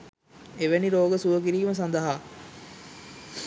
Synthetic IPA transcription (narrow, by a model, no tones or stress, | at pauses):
eʋeniɾoːɡəsuʋək̬iɾiːməs̬and̪əɦaː